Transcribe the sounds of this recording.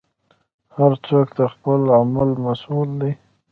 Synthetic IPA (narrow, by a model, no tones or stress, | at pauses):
haɾt͡sok̚t̪axpəlamalmasuld̪i